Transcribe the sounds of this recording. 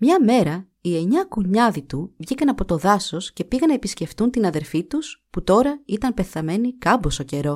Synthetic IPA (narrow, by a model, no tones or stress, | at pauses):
mɲɐme̞ɾɐ | ie̞ɲɐkuɲɐðit̪uvʝikɐnɐpo̞t̪o̞ðɐso̞sce̞piɣɐnɐepisce̞ft̪unt̪inɐðe̞ɾfit̪usput̪o̞ɾɐit̪ɐnmpe̞θɐme̞nikɐmboso̞ce̞ɾo̞